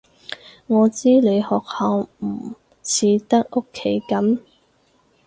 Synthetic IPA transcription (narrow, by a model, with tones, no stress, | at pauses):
ŋɔː˨˧t͡siː˥le˨˧jhɔː˨k̚hɐ˨˧wm̩˨˩ | t͡sʰiː˨˧t̪ɐ˥k̚ʔo˥kʰːe˨˥jkɐ˨˥m